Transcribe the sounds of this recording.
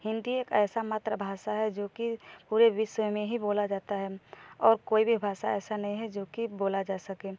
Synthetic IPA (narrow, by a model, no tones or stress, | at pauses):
hɪ̃nd̪ieːkɛːsamaːt̪ɾəbʱaːʃaɦɛd͡ʒoːkipuːɾeʋɪʃəmẽɦiboːlad͡ʒaːt̪aɦɛɔːɾkoːibʱibʱaːʃaɛːsanɐɦĩɦɛd͡ʒoːkiboːlad͡ʒaːsəkẽː